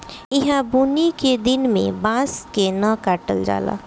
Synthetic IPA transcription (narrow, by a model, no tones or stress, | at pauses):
ɪɦãbuniked̪ɪnmḛ̃bãskenəkaʈəld͡ʒa̰ːla̰